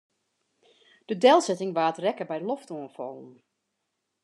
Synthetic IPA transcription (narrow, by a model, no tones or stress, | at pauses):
d̥ədɛlˠsɛtɪŋʋaːtrɛkəbɛjlɔftoənfɔ̰n̩